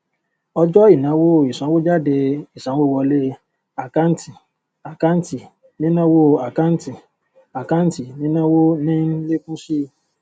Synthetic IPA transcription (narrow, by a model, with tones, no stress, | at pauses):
ɔ˧d͡ʒɔ˦i˦˨nã˨˦wo˦˨i˨sã˨˦wo˦d͡ʒa˦˨de˧i˨sã˨˦wo˦wɔ˧le˦ | a˨ka˦n˦ti˨ | a˨ka˦n˦ti˨ | nĩ˦nã˦wo˦˨a˨ka˦n˦ti˨ | a˨ka˦n̩˦ti˨nĩ˦nã˦wo˦nĩ˦n̩˦le˦kũ˦ʃi˦